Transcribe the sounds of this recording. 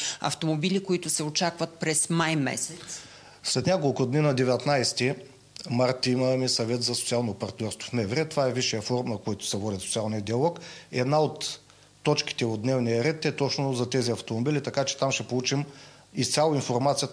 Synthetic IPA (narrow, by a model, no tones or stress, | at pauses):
ɐ̰ft̪omobilikoit̪ʊsɛot͡ʃakvɐt̪̚pɾɛsmajmɛ̰sɛt̪s | slɛt̪nʲjakolˠkʊd̪ninɐd̪ɛvɛt̪najst̪i | maɾt̪iməmɛsɐvɛt̪zɐsot̪sialˠnopɐɾt̪nʲɔɾst̪vo̥fmɛvɾɛt̪ovaɛviʃijəfɔɾmnɐkojt̪ʊ̥sɛvɔd̪isot̪sialˠnʲiəd̪iɐlˠɔkɛ̰d̪naot̪ː | ɔt͡ʃki̥t̪ɛod̪nɛvnijəɾɛt̪ɛt̪ɔt͡ʃnʊzɐt̪ɛziɐft̪omobilit̪ɐkat͡ʃɛ̥t̪amʃɛpolˠut͡ʃim | ist̪sʲalˠoinfoɾmat̪sijə